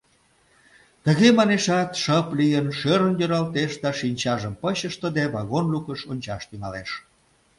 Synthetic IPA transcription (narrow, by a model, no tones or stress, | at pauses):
t̪əɣemɑneʃɑt̪ʃəplijənʃøɾənjøɾɑlt̪eʃd̪ɑʃinʲt͡ɕɑʒəmpəɕəʃt̪əd̪eβɑɣonlukəʃonʲt͡ɕɑʃt̪yŋɑleʃ